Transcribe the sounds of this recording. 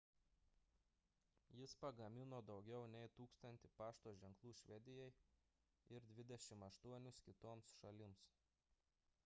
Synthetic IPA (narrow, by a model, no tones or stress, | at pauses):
jɪspɐɡɐmʲɪnoːd̪ɒʊɡʲɛʊnʲɛɪt̪uːkst̪ɐnʲt̪ʲɪpɑːʃt̪oːʒʲɛŋklˠuːʃʲʋʲɛd̪ʲɪjɛɪ | ɪɾd̪ʲʋʲɪd̪ʲɛʃʲɪmɐʃt̪uɔnʲʊskʲɪt̪oːmsʃɐlʲɪms